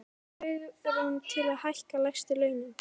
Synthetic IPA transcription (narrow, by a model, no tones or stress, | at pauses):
ʏɣɾant̪ʰɪlaðhajhkalajxst̪ʏlœːɥnʏm